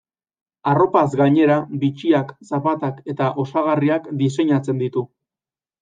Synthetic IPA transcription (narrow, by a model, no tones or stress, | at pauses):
aro̞pazɡaɲe̞ɾabit͡ʃiaksapat̪ake̞t̪aʔo̞saɣ̞ariakd̪ise̞ɲat͡se̞nd̪it̪u